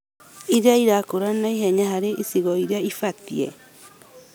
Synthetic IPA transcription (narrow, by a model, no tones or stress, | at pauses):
iɾeaiɾakoɾanaiɦɛɲaɦaɾeʔisiɣɔiɾeaifat̪iɛ